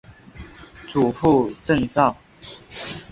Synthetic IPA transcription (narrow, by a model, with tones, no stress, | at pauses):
t͡su˨˩fu˥˧ʈ͡ʂə˥˧ŋt͡sɑ˥˩ŋ